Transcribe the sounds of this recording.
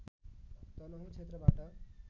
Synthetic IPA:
t̪ʌlʌɦũt͡ʃʰet̪ɾʌbaʈʌ

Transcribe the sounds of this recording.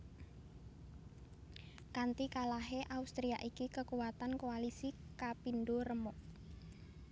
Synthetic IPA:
kant̪ikalaɦeʔaust̪ɾia̰ʔikikəkuwat̪ankoalisikapindoɾəmɔʔ

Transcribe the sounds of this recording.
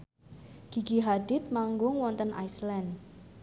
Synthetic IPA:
ɡ̥iɡ̥iɦad̪ɪt̪̚maŋɡʊŋwɔnt̪ənʔa̰jslɛn

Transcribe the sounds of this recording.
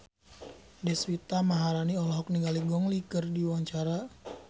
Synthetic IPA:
dɛswit̪amaɦaɾaniɔlɔɦɔk̚niŋɡaliɡɔŋlikərdiwaɲt͡ʃaɾa

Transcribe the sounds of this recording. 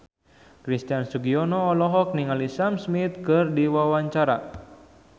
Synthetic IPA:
kɾist̪iansuɡiɔnɔːlɔɦɔk̚niŋalisamsmit̪̚kɨrdiwawaɲt͡ʃaɾa̰

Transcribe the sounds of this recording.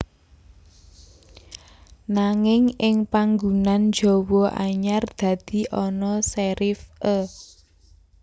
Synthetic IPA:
naŋɪŋɪŋpaŋɡunand͡ʒɔ̤wɔʔa̰ɲard̪̥ä̤d̪̥i̤ʔɔnɔsɛɾɪfʔə

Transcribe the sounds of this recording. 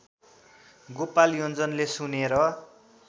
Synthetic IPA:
ɡopaljʌnd͡zʌnlesuneɾʌ

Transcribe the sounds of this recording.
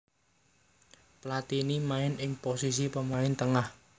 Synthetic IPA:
plat̪inimaɪnɪŋposis̬ipəmaɪnt̪əŋah

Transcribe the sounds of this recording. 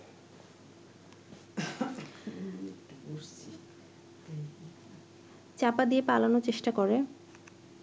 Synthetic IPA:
kʈakoɾt͡ɕʰi | t͡ɕapad̪iepalanot͡ɕeʃʈakoɾe

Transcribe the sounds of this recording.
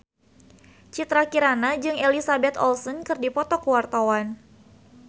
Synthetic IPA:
t͡ʃit̪ɾakiɾanad͡ʒɨŋelisabɛt̪ɔ̰lsɔnkɨrdipɔt̪ɔkuwart̪awan

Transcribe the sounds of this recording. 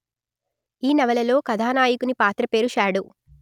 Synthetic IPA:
iːnɐʋɐlɐlo̞ːkɐd̪ʱaːnaːjikunipaːt̪ɾɐpe̞ːɾuʃaːɽu

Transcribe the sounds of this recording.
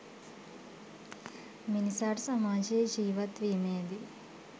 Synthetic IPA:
minisaːʈsɐmaːd͡ʒed͡ʒiːʋɐt̪ʋimeːd̪i

